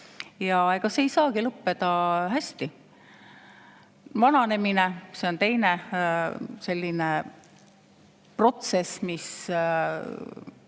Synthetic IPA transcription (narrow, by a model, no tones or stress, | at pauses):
jɑeɡ̥ɑseejsɑːɡilɤpːe̞d̪̥ɑɦæsʲt̪i | vɑnɑne̞minese̞o̞nt̪e̞jne | se̞lʲːine | pro̞t̪se̞smis